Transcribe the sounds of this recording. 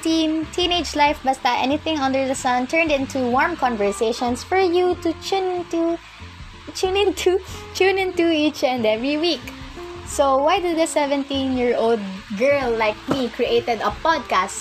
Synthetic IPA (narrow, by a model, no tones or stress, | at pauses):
t̪int̪ʰĩned͡ʒlaɪfbɐst̪ɐʔɛ̰nɪθɪ̃ŋʌ̃nd̪əɹd̪ɐsʌ̃nt̪ʰɛɹnd̪ɪ̃nt̪uwɔɹmkɔ̃nvəɹseʃɔ̃nsfɔɹjut̪ut͡ʃunɪnt̪u | t͡ʃunɪ̃nt̪ʰut͡ʃunɪ̃nt̪uit͡ʃɛ̃nd̪ɛvɹiwiksowajd̪ud̪ɐsɛvɛ̃nt̪ĩnjɪɹold̪̚ɡɜɹllːaɪk̚mikɹiʔet̪ɛd̪ɐpɔd̪̚kast̪